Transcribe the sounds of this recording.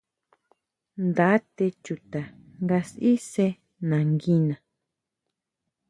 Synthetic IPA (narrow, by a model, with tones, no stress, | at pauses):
nd̪a˨˦t̪e˧t͡ʃu˨t̪a˨ | ŋɡa˧si˦se˧ | nã˨ŋɡi˧nã˨